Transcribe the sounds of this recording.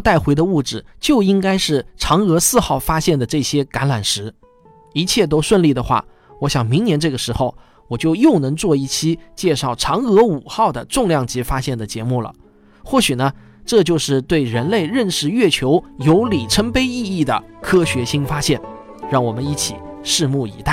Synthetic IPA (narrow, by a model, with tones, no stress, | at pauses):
t̪a˥˩ɪxwe˧˥ɪd̪ə˧u˥˩ʈ͡ʂɻ̩˨˩t͡ɕjo˥˩ʊi˥ŋka˥ɪʂɻ̩˥˩ʈ͡ʂʰɑ˧˥ŋɤ˧˥sɹ̩˥˧xɑ˥˩ʊfa˥ɕjɛ˥˩nd̪ə˩ʈ͡ʂɤ˥˩ɕjɛ˥ka˧˥nla˨˩nʂɻ̩˧˥ | i˧˥t͡ɕʰjɛ˥˩t̪̬o˥ʊʂwə˥˧nli˥˩d̪ə˩xwa̰˥˩ | wɔ˧˥ɕjɑ˨˩ŋmi˧˥ŋnjɛ˧˥nʈ͡ʂɤ˥˩ɡə˩ʂɻ̩˧˥xo˧ʊ | wɔ˨˩t͡ɕjo˥˧ʊjo˥˩ʊnɤ˧˥ŋt͡swɔ˥˧i˥˩t͡ɕʰi˥t͡ɕjɛ˥˧ʂɑ˥˩ʊʈ͡ʂʰɑ˧˥ŋɤ˧˥u˨˩xɑ˥˩ʊd̪ə˩ʈ͡ʂʊ˥˧ŋljɑ˥˩ŋt͡ɕi˧˥fa˥ɕjɛ˥˩nd̪ə˩t͡ɕjɛ˧˥mu˥˩lə̰˩ | xwɔ˥˩ɕy˨˩nə˦ | ʈ͡ʂɤ˥˧t͡ɕjo˥˧ʊʂɻ̩˥˧t̪we˥˩ɪɻə˧˥nle˥˧ɪɻə˥˩nʂɻ̩˥˧ɥɛ˥˩t͡ɕʰjo˧˥ʊjo˧˥ʊli˨˩ʈ͡ʂʰə˥ŋpe˥ɪi˥˧i˥˩d̪ə̰˩kʰɤ˥ɕɥɛ˧˥ɕi˥ŋfa˥ɕjɛ˥˩n | ɻɑ˥˩ŋwɔ˨˩mə˦ni˥˩t͡ɕʰḭ˨˩˦ʂɻ̩˥˧mu˥˩ḭ˧˥t̪a˥˩